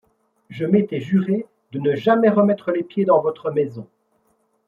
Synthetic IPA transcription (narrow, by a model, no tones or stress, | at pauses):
ʒəmet̪ɛʒyʁe | d̪ənəʒamɛʁəmɛt̪χəlepjed̪ɑ̃vɔt̪χəmɛzɔ̰̃